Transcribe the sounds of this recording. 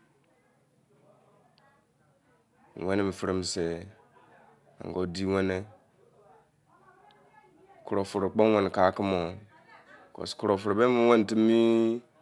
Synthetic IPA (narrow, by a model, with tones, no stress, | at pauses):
we˦ne˦mi˨fi˦ɾi˦m˨se˨ | a̰˨ŋ˨ɡo˦di˦we˦ne˦ | kʰu˨ɾo˨fu˨ɾo˨k͡po˦we˨n˨ka˨˦ki˦mo˨ | ko̰˨sku˨ɾo˨fu˨ɾbe˦mi˦we˦n˨ti˦mi˦